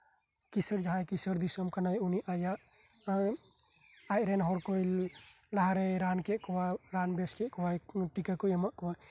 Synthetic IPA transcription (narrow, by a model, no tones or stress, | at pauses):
kisəɾd͡ʒɦãjkisəɾd̪isəmkənajuniʔaja | ajɾenɦɔɾkoil | laɦɾeɾankeʔkɔwaɾanbeskeʔkɔwajʈikəkojəmaʔkowa